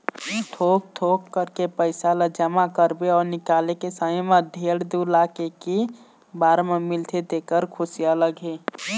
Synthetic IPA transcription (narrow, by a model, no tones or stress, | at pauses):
t̪ʰoːk̚t̪ʰokːəɾkepəɪsalad͡ʒəmakəɾbeɔːɾnɪkaːlekesamaɖʱeːɽd̪ulaːkeke | baːɾmemɪlt̪ʰed̪eːkəɾkʰʊsijaləɡʱe